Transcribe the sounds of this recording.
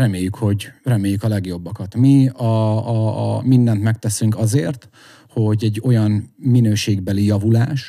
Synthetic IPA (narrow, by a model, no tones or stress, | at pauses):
rɛmeːjːykho̞ɟrɛmeːjykɒlɛɡjo̞bːɒkɒt̪miɒ | mind̪ɛnt̪mɛk̚t̪ɛsyŋkɒzeːrt̪ | ho̞ɟɛɟːo̞jɒnminøːʃeːɡ̚bɛlijɒvulaːʃ